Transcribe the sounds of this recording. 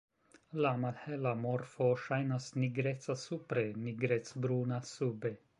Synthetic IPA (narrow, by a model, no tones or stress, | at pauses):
lamalhelamoɾfoʃajnasniɡɾet̪sasupɾeniɡɾetsbɾunasube